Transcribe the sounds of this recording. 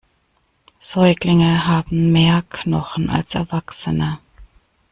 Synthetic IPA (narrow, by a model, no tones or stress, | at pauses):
z̥ɔʏɡlɪŋəɦaːbm̩meːɐkʰnɔχn̩ʔa̰lsɛɐvaksənə